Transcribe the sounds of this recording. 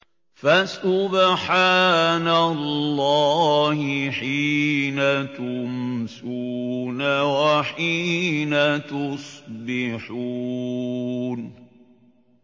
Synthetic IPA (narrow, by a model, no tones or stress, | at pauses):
fasʊbħaːnalːɑːhɪħiːnat̪ʊmsuːnawaħiːnat̪ʊsˤbɪħuː | n